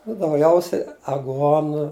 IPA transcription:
nʊ dɐʊˈɡʲɛʊsʲɛɪ ɐˈɡuɔnʊ

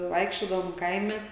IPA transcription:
ˈʋɐɪkʃʲt͡ʃʲoːdɐʋoːm ˈkɐɪmʲɛ

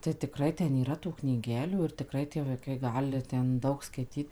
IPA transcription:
tɐɪ tʲɪˈkrɐɪ ˈtʲɛn iːˈrɐ tuː knʲiːˈɡʲæːlʲuː ɪr tʲɪˈkrɐɪ tʲiɛ ʋɐɪˈkɐɪ ˈɡɑːlʲɪ ˈtʲɛn ˈdɐʊk skɐɪˈtʲiːt

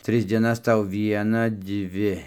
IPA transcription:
ˈtʲrʲɪs dʲiɛˈnɐs ˈtɐʊ ˈʋʲiɛnɑː ˈdʲʋʲɪ

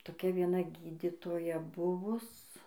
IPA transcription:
toːˈkʲɛ ʋʲiɛˈnɐ ˈɡʲiːdʲɪtoːjɛ ˈbʊʋʊs

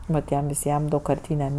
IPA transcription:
nʊˈtʲiɛm ʋʲɪˈsʲiɛm dɐʊkkɐrʲˈtʲiːnʲɛm

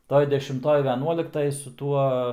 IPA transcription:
ˈtoːj dʲɛʃʲɪmˈtoːj ʋʲɛˈnuɔlʲɪktɐj sʊ ˈtuɔ

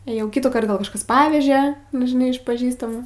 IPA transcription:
eːˈjɛʊ ˈkʲɪtuːˌkɐrt ˈɡɐlˠ kɐʃˈkɐs ˈpɑːʋʲɛʒʲɛ nʊ ʒʲɪˈnɐɪ ɪʃ pɐˈʒʲiːstɐmuː

